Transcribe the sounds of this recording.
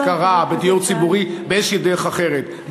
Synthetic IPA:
kaʁabet̪iuʁt͡sibuʁibeeʃid̪eʁeχaχeʁet̪

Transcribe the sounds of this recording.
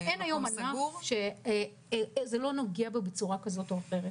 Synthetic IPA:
enajo̞manauʁʃe̞ | zelo̞noɡiabebet͡suʁakazo̞toaχeʁet

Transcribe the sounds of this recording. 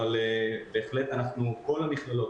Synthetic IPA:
albe̞ːχle̞t̪anaχnuko̞laniχlalo̞t

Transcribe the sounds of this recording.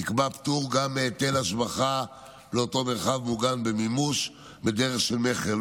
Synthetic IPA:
nikbapt̪uʁɡamːeːt̪elaʃbaχa | leo̞to̞me̞ʁχavmuɡanbemimuʃ | bed̪eʁeχʃelmeχel

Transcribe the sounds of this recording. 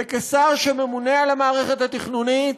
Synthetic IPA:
ekesaʁʃeme̞munealamaːʁe̞χet̪hat̪iχnunit̪

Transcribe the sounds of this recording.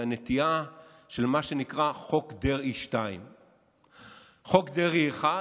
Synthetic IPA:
anet̪ia | ʃe̞lmaʃenikʁaχo̞kd̪eʁiʃtaim | χo̞kd̪eʁieχa

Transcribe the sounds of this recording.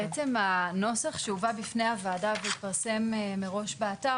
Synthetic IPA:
et͡semano̞saχʃeuvabifne̞javaːdaveit̪̚paʁse̞mmeʁo̞ʃbeata

